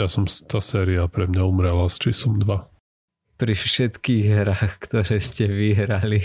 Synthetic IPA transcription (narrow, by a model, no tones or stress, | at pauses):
jasɔmt̪aːsɛːɾiapɾɛmɲaumɾɛlast͡ʃiːslɔmd̪ʋa | pɾifʃɛt̪kiːɣɦɾaːxkt̪ɔɾɛːscɛʋiɦɾali